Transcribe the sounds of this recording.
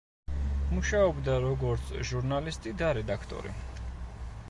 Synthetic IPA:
muʃaɔbd̪aɾɔɡɔɾt̪sʰʒuɾnalist̪ʼid̪aɾɛd̪akʰt̪ʼɔ̰ɾḭ

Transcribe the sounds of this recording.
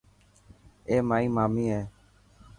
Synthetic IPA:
eːmaːiːmaːmiːɦeː

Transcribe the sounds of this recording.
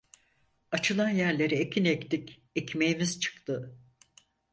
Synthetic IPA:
at͡ʃʰɯlˠanjæɾlʲe̞ɾiecʰinekt̪ikʲ | ecmejimiz̥t͡ʃʰɯ̥kt̪ɯ

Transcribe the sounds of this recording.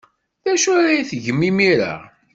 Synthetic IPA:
θæʃʊɾajiθʝəmːimiɾa̰

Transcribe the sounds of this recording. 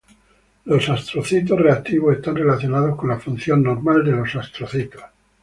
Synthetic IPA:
lo̞sast̪ɾoθit̪o̞sre̞ak̚t̪iβosest̪anre̞laθjo̞nað̞o̞sko̞nlafun̟θjo̞nːo̞ɾmald̪e̞lo̞sast̪ɾoθit̪os

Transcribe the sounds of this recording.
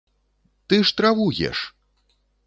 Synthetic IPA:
t̪ɨʂt̪ɾavujʲɛ̰ʂ

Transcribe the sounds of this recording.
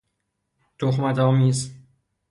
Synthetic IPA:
t̪oxmæt̪ɒːmiːz

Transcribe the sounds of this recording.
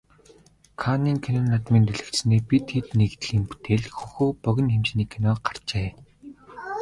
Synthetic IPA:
kʰaniːŋkʰenɔːnːat̪miːnt̪eɮɘ̆kt̪sneːpit̪xet̪neɣt̪ɮiːmpu̥t̪ʰeːɮxuxuːpœɣʲɪ̆nxemt͡ɕniːkʰenɔːɢar̥t͡ɕeː

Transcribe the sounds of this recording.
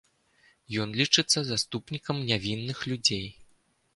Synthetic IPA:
jɔnlʲit͡ʂɨt̪sːɐzast̪upnʲikɐmnʲavʲinːɨxlʲud͡zʲej

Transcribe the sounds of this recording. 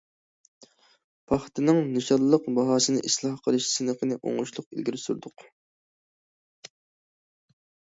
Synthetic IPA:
pʰɑχt̪ɨnɨŋnɨʃɑlˠlˠəqbɑɦɑːsɨnɨʔislˠɑhqʰəlˠɨʃsɨnəqʰənɨʔo̰ŋuʃlˠʊqḭlɡʲiɾɪsuɾd̪ʊq

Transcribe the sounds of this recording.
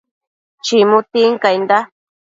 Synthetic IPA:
t͡ʃimũt̪iŋkajnd̪a

